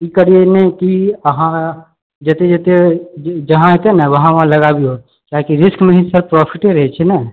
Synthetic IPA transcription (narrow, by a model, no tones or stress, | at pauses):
ikəɾijenekiəɦã | d͡ʒət̪ed͡ʒət̪ed͡ʒəɦãɦet̪enəʋəɦãʋɐɦãləɡabio | k̪akiɾɪskmẽɦisəɾpɾɔpʰiʈeɾəɦɛt͡ʃʰɛnɛ